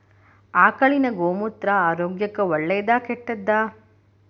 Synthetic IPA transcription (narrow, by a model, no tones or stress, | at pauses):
aːkɐɭinɐɡoːmut̪ɾɐaːɾoːɡjɐkːɐʋɔɭːɛjɐd̪aːkɛʈːɐd̪ːaː